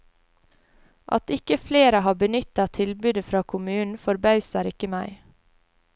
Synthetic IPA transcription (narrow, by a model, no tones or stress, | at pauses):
ʔɑ̰t̪ɪkəfleːɾəɦɑːbənʏt̪ɑt̪ʰɪlbʉːd̪əfɾɑːkʰʊmʉːn̩fɔɾbɑʉsæɾɪkəmæɪ